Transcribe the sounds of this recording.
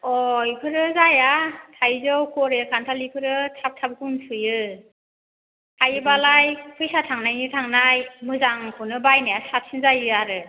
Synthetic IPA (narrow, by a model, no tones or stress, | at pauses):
ɔjpʰɯɾɯzajatʰajzɯwkʰɔɾekʰantʰalipʰɯɾɯtʰap̚tʰab̚ɡʰunsɯjɯ | tʰajɯbalajpʰɯjsatʰaŋnajnɯtʰaŋnajmɯzaŋkʰɯnɯbajnajasat̚sɯnzajɯjaɾɯ